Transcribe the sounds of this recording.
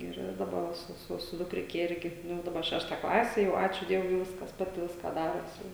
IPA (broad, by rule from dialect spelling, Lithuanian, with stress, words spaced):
ˈɪr dɐˈbɐ sʊ sʊ sʊ dʊkˈrʲɪkʲɛ ˈɪrʲɡʲɪ ˈnʊ dɐˈbɐ ˈʃʲæːʃtɐ ˈklˠɑːsʲɛ jɛʊ ˈɑːt͡ʃʲuː ˈdʲiɛʋʊɪ jɛʊ ˈʋʲɪskɐs ˈpɑːtʲɪ ˈʋʲɪskɑː ˈdɑːroːs jɛʊ